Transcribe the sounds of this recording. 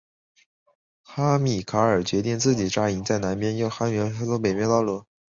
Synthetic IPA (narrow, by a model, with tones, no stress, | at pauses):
xa˥mi˨˩kʰa˧˥ə˞˨˩t͡ɕɥɛ˧˥t̪i˥˧ŋt͡sɹ̩˥˩t͡ɕi˨˩ʈ͡ʂa˥i˧˥ŋt͡sa˥˩ɪna˧˥npjɛ˥njo˥˩ʊxa˥mɛ˧˥t͡sɔ˥pe˨˩ɪmjɛ˧˥t̪ɑ˥˩ʊlwu˧˥˦